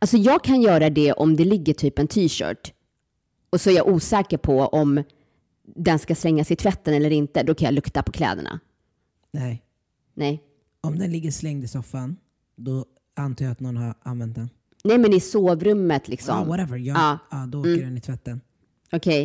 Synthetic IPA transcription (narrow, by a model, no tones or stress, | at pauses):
alsɔjɑːɡ̚kʰanjœːɾad̪ɛʔɔmd̪ɛlɪɡːəʈʰyːpɛnt̪ʰiːʃœ̰ːʈ | ɔsɔæɾjaʔuːsɛːkəɾpʰɔʔɔm | d̪ɛnskaslɛŋːasɪt̪ʰvɛt̪ːənɛlːəɾɪnt̪əd̪ɔkʰanjɑ̰lɵkt̪apʰɔkʰlɛ̰ːd̪ə̰ɳa̰ | nɛj | nɛj | ɔmd̪ɛnlɪɡːəslɛŋd̪ɪsɔfːan | d̪ɔ | ant̪ʰɑːjaat̪nɔnhaɾa̰nvɛnt̪̚d̪ɛn | nɛjmɛnɪsoːvɾɵmːət̪ʰlɪksɔ̰mwɔɾɛvəjɑːɑːd̪ɔoːəɖɛnɪt̪ʰvɛt̪ːən | ɔkʰɛj